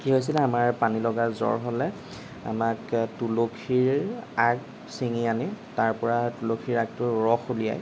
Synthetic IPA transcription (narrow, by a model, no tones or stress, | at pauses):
kiɦojs̬ilɛamaɹpanilɔɡazɔ̰ɹɦɔlɛ | a̰maktulokʰiɹaɡ | siŋianɛtaɹpɔɹatulokʰiɹaɡ̚tʊɹɔxulija̰j